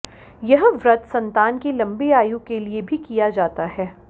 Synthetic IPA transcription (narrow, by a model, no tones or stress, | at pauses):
jɐɦʋɾɐt̪sɐ̃nt̪aːnkilɐ̃mbiaːjukeliebʱikijad͡ʒaːt̪aɦɛː